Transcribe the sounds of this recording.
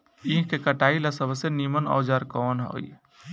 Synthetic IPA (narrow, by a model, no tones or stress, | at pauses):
iɦkekəʈailasəbʱsenimənɔ̰ːd͡ʒaɾkɔnɦo̰j